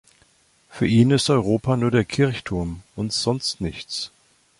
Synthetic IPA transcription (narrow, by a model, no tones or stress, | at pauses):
fyːɐʔiːnɪstʔɔʏʁ̞oːpʰanuːɐɾeːɐkʰɪɐçtʰʊɐmʔʊntz̥ɔnstnɪçt͡s